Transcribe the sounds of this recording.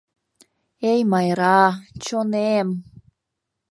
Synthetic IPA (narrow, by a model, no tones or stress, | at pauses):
ejmɑjɾɑt͡ɕonem